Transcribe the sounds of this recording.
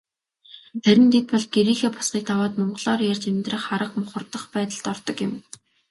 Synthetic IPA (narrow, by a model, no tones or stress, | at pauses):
tæɾʲɪ̆nt̪ʰet̪̚pɔɮɡeɾiːxeːpḁsɢiːk̚t̪ʰawaːt̪mɔɴɢɞ̆ɮɔːrjarʲt͡ɕemt̪rə̆χaɾə̆qmʊχə̆rt̪ə̆χpæːt̪ə̆ɮt̪ɔrt̪ɞ̆kjɪ̆m